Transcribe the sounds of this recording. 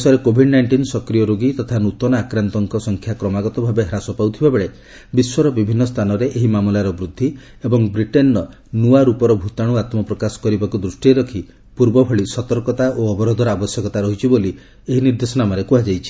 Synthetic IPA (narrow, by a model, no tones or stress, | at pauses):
sɔɾekobʱiɖnajɳʈinsɔkɾijɔɾoɡit̪ɔt̪ʰanut̪ɔnɔakɾant̪ɔŋkɔsɔŋkʰjakɾɔmaɡɔt̪ɔbʱabeɦɾasɔpawt̪ʰibabeɭe | biswɔɾɔbibʱinːɔst̪ʰanɔɾeʔeɦimamulaɾɔbɾud̪ʱːi | ebɔŋbɾiʈenːɔ | nuaɾupɔɾɔbʱut̪aɽ̃uat̪mɔpɾɔkasɔ̥kɔɾibakud̪ɾusʈieɾɔkʰi | puɾbɔbʱɔɭisɔt̪ɔɾkɔt̪aʔoɔbɔɾod̪ʱɔɾɔabɔsjɔkɔt̪aɾɔɦit͡ʃʰiboli | eɦiniɾd̪esɔnamaɾekuɦad͡ʒajt͡ʃʰi̥